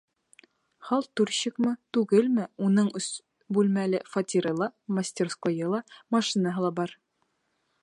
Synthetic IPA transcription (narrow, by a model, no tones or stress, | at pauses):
χɑlˠt̪ʉɾɕɘkmɤt̪ʉɡɘlmɘunɤɴɵ̆s | bʉlmælɘfɐt̪ʲiɾɤlˠɑmɐsʲtʲerskojɤlˠɑmɐʃinaɦɤ̆lˠɑbɑɾ